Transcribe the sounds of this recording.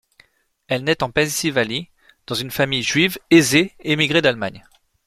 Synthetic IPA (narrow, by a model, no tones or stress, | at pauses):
ɛlnɛt̪ɑ̃pɛ̃nsivali | d̪̥ɑ̃zynfamijʒɥivezeemiɡʁed̪alma̰ɲ